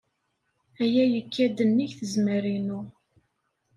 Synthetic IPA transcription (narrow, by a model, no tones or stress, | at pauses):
æjæjəkːæd̪ənːiçθəzməɾinʊ